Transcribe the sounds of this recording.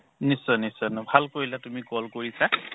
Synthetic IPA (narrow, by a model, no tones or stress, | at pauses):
nisːɔnisɔnɔbʱalkoɹjlatumikɔlkoɹisa